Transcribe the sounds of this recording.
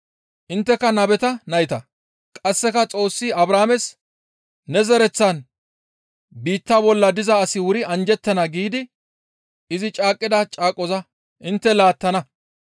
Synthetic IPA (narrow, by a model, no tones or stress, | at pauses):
ʔɪnt̪ːɛkɐnɐbɛt̪ɐnɐjɪt̪ɐ | kʼɐsːɛkɐt͡sʼo̞ːsːiɐbɾaːmɛs | nɛzɛɾɛt͡sːɐn | biːt̪ːabɔlːɐd̪ɪzɐːsɪwʊɾɪɐnd͡ʒɛt̪ːɐnɐɡiːd̪ɪ | ɪzɪt͡ʃʼaːkʼːɪd̪ɐt͡ʃʼaːkʼːɔzɐ | ʔɪnt̪ːɛlaːt̪ːɐnɐ